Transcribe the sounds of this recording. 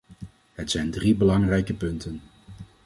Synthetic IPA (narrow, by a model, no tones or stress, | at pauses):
ɦətsɛjndribəlɑŋrɛjkəpɵntən